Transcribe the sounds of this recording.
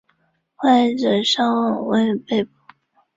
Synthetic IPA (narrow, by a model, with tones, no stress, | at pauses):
xwa˥˩nʈ͡ʂɤ˨˩ʂɑ˥ŋwɑ˨˩ŋwe˥˩ɪpe˥˧ɪpu˨˩˦